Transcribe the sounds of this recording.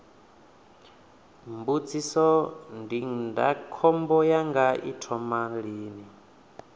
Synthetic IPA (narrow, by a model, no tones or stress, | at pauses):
mbud͡zisɔndinda̰kʰɔmbɔjaŋɡaitʰɔmaɺiːni